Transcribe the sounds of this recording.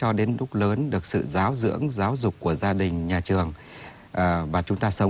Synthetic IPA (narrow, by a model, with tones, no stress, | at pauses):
t͡ɕɔ˧ɗe˨˦nɗʊ˦˥k͡p̚ləː˨˦nɗɨ˨˩ək̚sɨ̰˧˨zaː˨˦wzɨ̰˧˥ənzaː˨˦wzʊ˨˩k͡p̚kːu˧˩əzaː˧ɗï˨˩ŋ̟ɲaː˨˩t͡ɕɨ˨˩əŋ | ʔvaː˨˩t͡ɕʊ˨˦ŋ͡mt̪aː˧sə˨˦wŋ͡m